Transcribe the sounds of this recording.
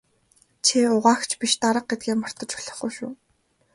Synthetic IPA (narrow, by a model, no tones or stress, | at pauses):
t͡ɕʰiʊʁaːxt͡ɕʰpiʃt̪aɾə̆q̚ɡet̪̚ɡeːmɔr̥t̪ə̆t͡ɕʊ̥ɮɞ̆χɡujʃʊ̰ː